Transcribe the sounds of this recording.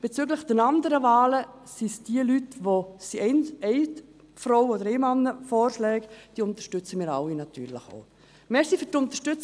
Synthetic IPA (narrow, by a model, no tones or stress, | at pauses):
b̥et͡syɡləxd̥ɛnɑndəɾəvaːlə | sisd̥iəlytʋosinɛɪ | fɾowoɔdəɾeːmɑnːəfɔːrʃlɛːɡd̥iːʊnt̪ə̥ʃtʏt͡səmiːɾa̰winɑt̪yːɾlɪχo̰ | mɛsifyɾtʊnt̪əʃtʏt͡s